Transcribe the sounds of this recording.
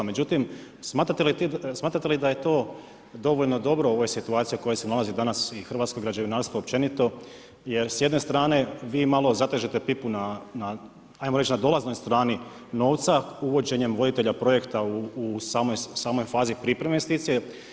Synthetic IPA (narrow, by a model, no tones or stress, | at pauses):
med͡ʑut̪im | smaːt̪ɾat̪elit̪smaːt̪ɾat̪elid̪aje̞t̪o̞ː | d̪o̞ʋo̞ʎno̞d̪o̞bɾooʋojesit̪uaːt̪sijoko̞jesenalazid̪anasixr̩ʋat̪skoɡɾad͡ʑeʋinaːɾst̪ʋoop̚t͡ʃe̞nit̪o̞ | je̞ɾsje̞d̪ne̞st̪ɾaːne̞ʋiːmalˠo̞zat̪eʒet̪e̞pipunana | ajmoɾet͡ʃnad̪o̞lazno̞jst̪ɾaːni | no̞ːʋt̪sauʋo̞d͡ʑe̞ɲe̞mʋo̞d̪it̪e̞ʎapɾo̞je̞kt̪auːsaːmojsaːmo̞jfaːzipɾipɾemeest̪iːt̪sije